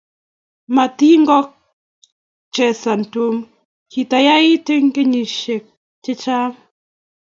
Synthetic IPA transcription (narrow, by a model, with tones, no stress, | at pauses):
ma˨t̪i˦ŋɡɔ˦k̚ | t͡ʃɛ˨sa˨n˨to˦m | ki˨ta˨ja˦ɪ˦te˦ŋke˦ɲi˨ʃe˨k̚ | t͡ʃɪ˦t͡ʃa˦